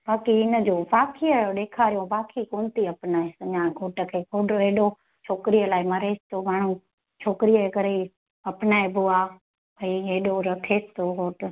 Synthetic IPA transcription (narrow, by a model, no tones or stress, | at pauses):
baːkiɪnə̆d͡ʑoːbaːkʰijəɗeːkʰaːɾijõbaːkʰikoːnt̪iɐpnaːesɐɲãːɡʱoːʈəkʰeːɡʱoːɖoeːɗo | t͡ʃʰoːkɾijəlaːimɐɾeːst̪omaːɳ̤ũ | t͡ʃʰoːkɪɾijəkəɾei | ɐpnaːebʊaː | ɐieːɗoɾɐkʰeːst̪oɡʱoːʈ